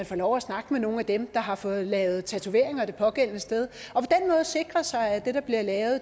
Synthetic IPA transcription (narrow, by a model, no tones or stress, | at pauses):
ænfɒlɒʊæsnɑ̈ɡ̥əmeno̝ːnæd̥emd̥ɑ̈ɦɑ̈fɔ̽ːð̩ˠlɛːʊð̩ˠt͡sʰæt͡sʰuʋe̝ɐ̰e̝ŋɒ̽d̥e̝pʰɒ̽ɡ̥en̰nəsd̥eð̞ˠɒ̽pʰɒ̽d̥enmɔ̽ːð̞̩ˠse̝ɡ̥ʁɐsɑ̈ɪæd̥e̝d̥ɑ̈b̥liɐlɛːʊð̩ˠ